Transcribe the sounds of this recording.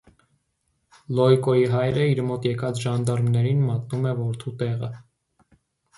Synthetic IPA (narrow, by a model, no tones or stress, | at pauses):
lɔjkɔjiɦɑjɾəiɾmɔt̪jɛkɑt͡sʰʒɑnd̪ɑɾmnɛɾinmɑt̪̚numɛvɔɾt̪ʰut̪ɛʁə̰